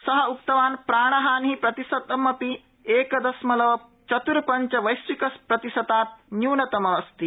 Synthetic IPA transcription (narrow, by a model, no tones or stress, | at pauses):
sɐɦɐukt̪ɐʋaːnpɾaːɳ̃ɐɦaːnɦipɾɐt̪isɐt̪ɐmɐpi | eːkɐd̪ɐsmɐlɐʋɐ | t͡ʃɐt̪uɾpɐɲt͡ʃɐʋɐjsʋikɐspɾɐt̪isɐt̪aːt̪̚njuːnɐt̪ɐmɐʋɐst̪i